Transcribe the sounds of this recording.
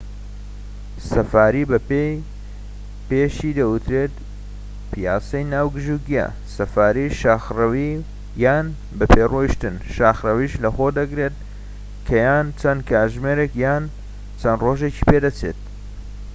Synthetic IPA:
sɐfaːɾibɐpej | peːʃid̪ɐut̪ɾeːt̪ | pijaːsɐjnaːwɡɨʒuɡijɐ̰ | sɐfaːɾiʃaxrɐwi | jaːn | bɐpʰeːroiʃt̪ɨnʃaːxrɐwiʃlɐxod̪ɐɡɾet̪̚ | kʰɐjaːnt͡sʰɐnkʰaːʒmeɾekjaːn | t͡sʰɐnroːʒeci̥ped̪ɐt͡sʰḛt̪̚

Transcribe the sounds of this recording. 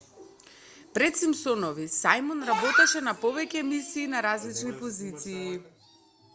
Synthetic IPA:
pɾɛt̪simsɔnɔvisajmɔnɾabɔt̪aʃɛnapɔvɛcɛmisiːnaɾazlit͡ʃnipɔzit̪siː

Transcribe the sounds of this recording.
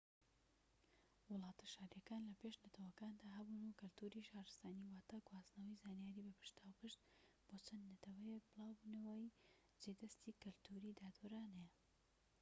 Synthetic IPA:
wʊlˠɑːt̪ʰɐ̥ʃaːɾjɐkaːnlɐpeʃnɐt̪ʰɐwɐkaːnd̪aːɦɐbuːnukɨlt̪ʰuɾiʃaːɾɨst̪aːniːwaːt̪aɡwaːznɐwijzaːnijaːɾiːbɐpʰɨ̥ʃt̪ʰaːwpɨʃt̪ | b̥oːt͡sʰɐnd̪nɐt̪ʰɐwɐjek̚bɨlˠaːwbuːnɐwaj | d͡ʒed̪ɐst̪iːkɨlt̪ʰuɾiːd̪aːd̪uɾaːnejɛ

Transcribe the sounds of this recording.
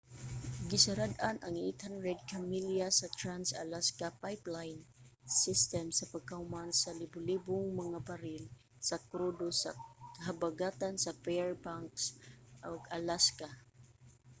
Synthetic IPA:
ɡɪsaɾad̪anʔaŋḭt̪hanɹɛd̪̚kamiljasat̪ɾansa̰laskapajplajnsɪst̪ɛmsapaɡ̚kaʊmansalibʊlibʊŋmaŋapaɾɪl | sakɾod̪osa̰kaɦabaɡat̪ansapɛɹpaŋksʔoɡalaska

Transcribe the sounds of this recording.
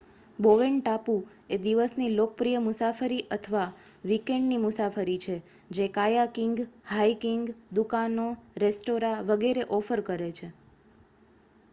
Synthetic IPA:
boʋeɳʈapu | ed̪iʋəsnilokəpɾijəmusafəɾiʔət̪ʰəʋaʋikeɳɖnimʊsafəɾit͡ʃʰe | d͡ʒekajakiŋɡhaikiŋɡd̪ukanoɾesʈoɾaʋəɡeɾeʔɔfəɾkəɾet͡ʃʰe

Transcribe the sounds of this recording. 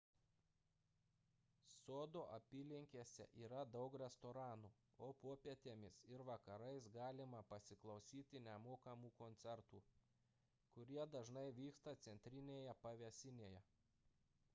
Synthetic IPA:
soːd̪oːʔɐpʲiːlʲɪŋʲkʲeːsʲɛ̰ʔiːɾɐd̪ɐʊkɾʲɛst̪oɾɑːnuː | oːpoɔpʲiɛt̪ʲeːmʲɪsɪɾʋɐkɐɾɐɪsɡɑːlʲɪmɐpɐsʲɪklˠɒʊsʲiːt̪ʲɪnʲɛmoːkɐmuːkonʲt̪sʲɛɾt̪uː | kʊɾʲiɛd̪ɐʒnɐɪʋʲiːkst̪ɐt̪sʲɛnʲt̪ʲɾʲɪnʲeːjɛpɐʋʲɛsʲɪnʲeːjɛ

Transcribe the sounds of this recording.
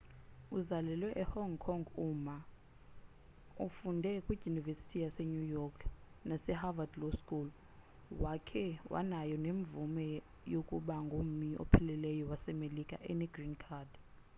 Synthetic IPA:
uzalɛlwɛʔɛhɔŋkʰɔŋɡuma | ufundʱɛkʼwi̥junivesi̥tʰijasɛɲujɔkʰ | nasɛhavadloskʼul | wakʰɛwʔa̰najɔneɱvumɛ | jokʼuɓaŋɡʱom̩miʔɔ̰pʰɛlɛlɛjɔwasɛmelikʼa̰ʔɛnɛɡ̥rinkʰad

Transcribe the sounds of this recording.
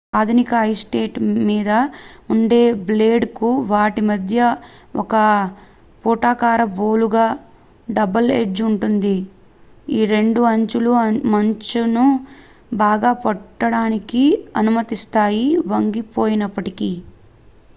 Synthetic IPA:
aːd̪ʱunikɐɦɐjsʈeːʈmiːd̪ɐuɳɖe̞ːble̞ːɖkuʋaːʈimɐd̪ʱjɐɔ̰kɐ | puːʈaːkaːɾɐboːluɡaː | ɖɐbɐlḛd͡ʒuɳʈund̪i | iːɾe̞ɳɖuɐɲt͡ʃulumɐɲt͡ʃunu | baːɡaːpɔʈːɐɽaːnikiɐnumɐt̪ist̪aːjiʋɐŋɡipo̞ːjinɐpːɐʈiki

